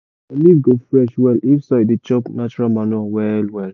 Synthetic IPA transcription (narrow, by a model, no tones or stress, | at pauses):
alivɡofɹɛʃwɛlifsaidet͡ʃɔpnat͡ʃuɹalmanuawɛlwɛl